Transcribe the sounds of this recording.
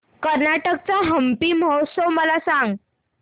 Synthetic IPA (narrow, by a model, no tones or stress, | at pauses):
kəɾnaʈək̚t͡saɦəmpiːməɦosəʋməlasaŋɡ